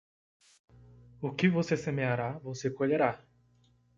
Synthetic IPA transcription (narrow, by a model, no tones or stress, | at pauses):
ʊkɪvosesemeaɾavosekoʎeɾa